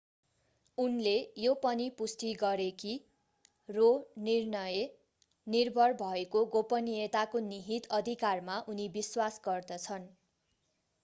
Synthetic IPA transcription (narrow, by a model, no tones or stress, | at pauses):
unlejopʌnipust̪iɡʌɾeki | ronirnʌje | nirbʱʌrbʱʌekoɡopʌniet̪akoniɦit̪ʌd̪ʱikarmaʔunibiswasɡʌrd̪ʌt͡sʰʌn